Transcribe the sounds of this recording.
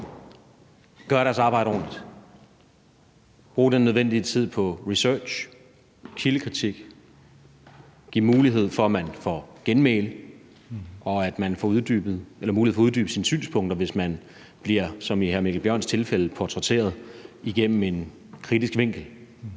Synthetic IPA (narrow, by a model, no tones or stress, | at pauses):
ɡ̥ɶɐɾæɐsɑ̈ːb̥ɑ̈ɪ̰ɾəɒ̰ːnlid̥ | b̥ʁṵːd̥enːøð̞ˠʋen̰d̥it͡sʰið̞̰ˠpʰɒ̽ʁisœɐ̥ɕ | kʰiləkʰʁit͡sʰiɡ̥ | ɡ̥iɐmuːliɦe̝ð̞̰ˠfɒ̽æmænfɒɡ̥enmḛːlə | ʔɒ̽æd̥mænfɒuðˠd̥yb̥ð̩ˠelɐmuːliefɒuðˠdyːb̥əsiːnsy̰ːnspʰɔ̽ŋ̰d̥ɐʋe̝smæn | b̥liɐ̰sɒ̽miɦæɐmiɡl̩b̥jɶɐ̰nst͡sʰe̝lfeləpʰɒt͡sʰʁet͡sʰe̝̰ːɐð̞ˠiɡ̥em̰m̩e̝n | kʰʁid̥isɡ̥ʋe̝ŋ̰ɡ̥l̩